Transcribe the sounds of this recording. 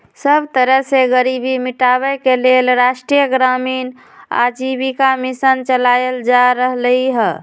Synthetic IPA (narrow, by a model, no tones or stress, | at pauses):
səbt̪əɾəɦseɡəɾibimiʈabɛkelelɾaʃʈɾijəɡɾamin | a̰d͡ʒibikamisənt͡ʃəlajəld͡ʒaɾəɦliɦə